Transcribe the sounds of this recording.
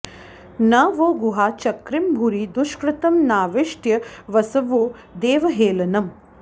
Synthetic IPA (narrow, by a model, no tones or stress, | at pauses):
naːʋoːɡuɦaːt͡ʃɐkɾimbʱuɾid̪uʃkɾɪt̪ɐmnaːʋeʂʈjɐʋɐsɐʋoːd̪eːʋɐɦeːlɐnɐm